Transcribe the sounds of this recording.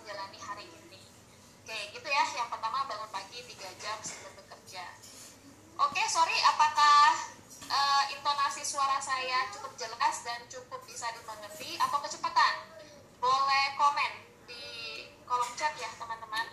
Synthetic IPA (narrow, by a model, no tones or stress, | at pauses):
d͡ʒalaniɦaɾiːni | kaɡit̪ujajaŋpərt̪amabaŋan̚paɡit̪iɡad͡ʒamsəkʊt̪̚bəkərd͡ʒa | ʔokesoɾiapakah | ʔəːint̪onasisuaɾasajat͡ʃukʊp̚d͡ʒəlasdant͡ʃukʊp̚bisadiməŋərt̪iat̪awkət͡ʃəpat̪an | bolɛhkomɛn | dikolɔŋt͡ʃət̪̚jaht̪əmant̪əman